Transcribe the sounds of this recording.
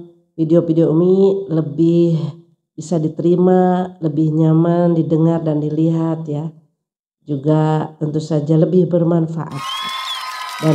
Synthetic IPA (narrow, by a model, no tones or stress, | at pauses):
fideofideomiləbɪh | b̥isadit̪əɾimaləbɪhɲamandidəŋardandiliɦat̪ja | d͡ʒuɡat̪ənt̪usad͡ʒaləbɪhbərmanfa̰ʔa̰t̪̚ | da